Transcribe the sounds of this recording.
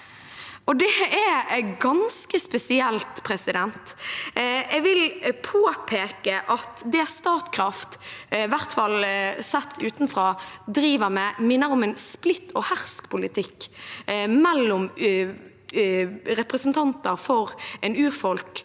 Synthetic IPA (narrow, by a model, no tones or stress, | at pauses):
ɔd̪ɛæɡɑnskəspɛsɪɛlt̪pʰɾɛsɪd̪ɛnt̪ | ɛɡʋɪlpʰoːpʰeːkəʔɑt̪d̪ɛst̪ɑːt̪kʰɾɑft̪ɪʋæʁt̪fɑlsɛt̪ʰːʉːt̪nfʁɑːd̪ɾiːʋəʁmɛmɪnːəɾɔmɛnsplɪt̪ʰːɔhæʁskpʰʊlɪt̪ʰɪkː | mɛlːʊm | ɾɛpʁəsnt̪ʰɑnt̪əɾfɔɾɛnʉːʁfɔlk